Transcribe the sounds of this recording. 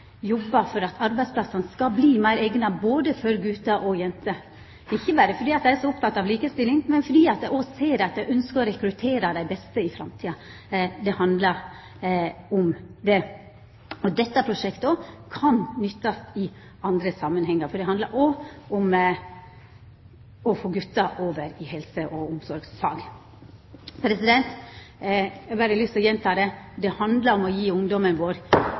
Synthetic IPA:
jɔbːɑfɔɾɑt̪ʰɑɾbæɪsplɑsɑnəskɑbliːmæɪɾeːɡnɑboːd̪əfɔɾɡʉːt̪ɑʔɔjɛnt̪ʰə | ɪçːəbɑːɾəfɔɖiːɑt̪d̪æɪæʂɔʊp̚t̪ʰɑt̪ːɑʋliːkəst̪ɪlːɪŋmɛnfɔɖiːɑt̪̚d̪æɪɔseːɾɛɑt̪j̪æɪʔœnskəɔɾɛkɾʉt̪ʰeːɾɑd̪æɪbɛst̪əɪfɾɑ̰mt̪ʰiːɑ | d̪ɛhɑnd̪lɑɾ | ʊmd̪ɛ | ɔd̪ɛt̪ːɑpʰɾʊʂɛkt̪ɔkʰɑnnʏt̪ːɑsɪ | ɑnd̪ɾəsɑmːənɦɛŋːəɾfɔɖ̪ɛɦɑnd̪lɑɾʔɔɔm | ɔfoːɡʉt̪ːɑʔoːʋəɾɪhɛlsəʔɔʊmsɔɾɡsfɑ̰ːɡ | pʰɾɛsɪd̪ɛnt̪ | ɛbæɾəlyːsɔjɛnt̪ʰɑːd̪ɛd̪ɛhɑnd̪lɑɾɔmɔjiːʊŋd̪ɔmənʋoːɾ

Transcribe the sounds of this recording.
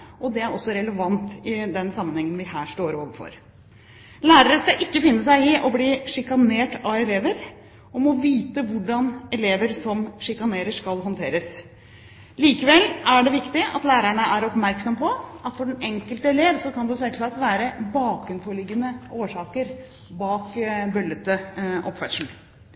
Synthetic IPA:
ʔɔd̪ɛæɾɔsːɔɾɛləʋɑnt̪ɪd̪ɛnsɑmːənhɛŋːənʋɪhæːʂʈoːɾoːʋəfɔ̰ɾ | læːɾəɾəskɑʔɪkːəfɪnːəsæɪɪʔɔbliːʂɪkɑneːʈɑɛleːʋəɾ | ɔmɔʋiːt̪əʋʊɖɑnɛleːʋəɾsɔmʂɪkɑneːɾəʂkɑlɦɔnt̪ʰeːɾəs | liːkəʋɛlːæɖɛʋɪkt̪ɪɑ̰t̪læːɾæɳəʔæɾɔpmæɾksɔmpʰɔʔɑt̪fɔɖɛnɛŋkəlt̪əɛleːʋsɔkɑnd̪ɛsɛksɑt̪ʋæːɾəbɑːkʉnfɔɭɪɡːənəoːʂɑːkəɾ | bɑːkbœlːət̪əʔɔ̰pːʋæʈʂɳ̩

